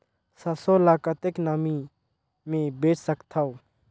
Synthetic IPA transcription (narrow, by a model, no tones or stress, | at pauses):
səsoːlaːkat̪eknaːmiː | mẽːbeːt͡ʃʰsəkt̪ʰaːoː